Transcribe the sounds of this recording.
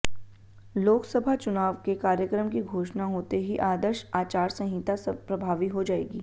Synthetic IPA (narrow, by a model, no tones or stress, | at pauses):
loːksəbʱat͡ʃʊnaːʋkekaːɾjəkɾəmkiɡʱoːʃnaɦoːt̪eɦiʔaːd̪əɾʃaːt͡ʃaːɾsɐ̃ɦɪt̪aspɾɐbʱaːʋiɦod͡ʒaːeːɡiː